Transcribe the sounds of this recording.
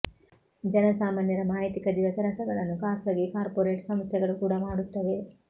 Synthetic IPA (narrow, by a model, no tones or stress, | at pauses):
d͡ʒɛnɐsaːmaːnjɐɾɐmaːjt̪ikɐd̪iʋɐk̪ɛɾɐsɐɡɐɭɐnːukaːsɐɡikaːɾpoɾeːʈsɐmst̪jɛɡɐɭukuːɽɐmaːɽut̪ːɐʋe